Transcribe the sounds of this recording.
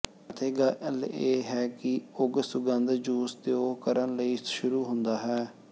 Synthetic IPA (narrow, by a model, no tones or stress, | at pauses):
ət̪ʰeːɡələleːɦɛːkɪʊɡsʊɡənd̪d͡ʒuːst̪eoːkəɾənləiːʃʊɾuːɦʊnd̪aːɦɛː